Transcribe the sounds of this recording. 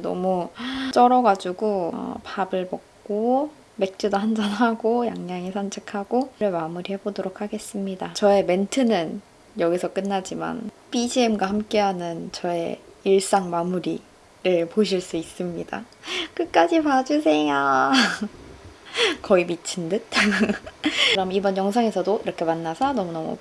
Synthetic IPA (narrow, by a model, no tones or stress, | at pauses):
nʌ̰mut͈ʌɾʌɡad͡ʑuɡopabɯɭmʌk̚k͈o | me̞k̚t͡ɕ͈udoɦand͡ʑʌnɦaɡojaŋɲaŋisʰʌnt͡ɕʰikʰaɡ̥oɾɯɭmamuɾihe̞bodoɾokʰaɡe̞s͈ɯmɲidat͡ɕʌe̞me̞ntʰɯnɯn | jʌɡisʰʌk͈ɯnːad͡ʑima̰n | pid͡ʑiemɡwahamk͈e̞ɦanɯnt͡ɕʌe̞̰iɭs͈aŋmamuɾḭ | ɾɯɭpoɕ̬ʰiɭs͈uis͈ɯmɲida̰ | kɯk͈ad͡ʑipad͡ʑus̬ʰe̞ŋja | kʌimit͡ɕʰɯndɯt̚ | ɾʌmibʌnjʌŋsʰaŋe̞sʰʌdoiɾʌkʰe̞manːasʰʌnʌmunʌmṵ